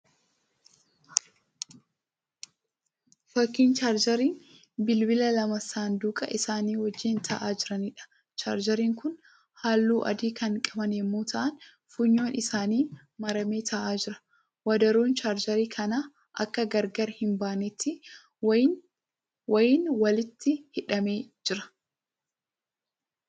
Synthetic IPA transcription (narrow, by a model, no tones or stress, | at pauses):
fɐkːiːnt͡ʃaːɾd͡ʒɐɾiːn | bɪlbɪlɐlɐmɐsaːnd̪uːkʼɐʔɪsaːniːwɔd͡ʒːiːnt̪ʰɐʔaːd͡ʒɪɾɐniːᶑɐ̥ | t͡ʃa̰ːɾd͡ʒɐɾiːŋkʊn | haːlːuːʔɐ̰d̪iːkʰɐŋkʼɐbɐnɛmːuːt̪ʰɐʔɐn | fʊɲːo̞ːnʔɪsaːniː | mɐɾɐmeːt̪ʰɐʔaːd͡ʒɪɾɐ̥ | wɐd̪ɐɾoːnt͡ʃaːɾd͡ʒɐɾiːkʰɐnaː | ʔɐ̰kːɐɡɐɾɡɐɾhɪmbaːnɪt̪ʰːɪ | wɐjɪnwɐlɪt̪ːɪhɪᶑɐmeːd͡ʒɪɾɐ̥